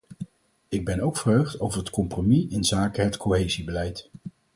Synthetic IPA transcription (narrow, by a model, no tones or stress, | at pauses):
ɪɡ̚bɛnowkfərɦøɥχtowvəɹɦətkɔmpromiʔɪnzaːkəɦətkoɦejzibəlɛjt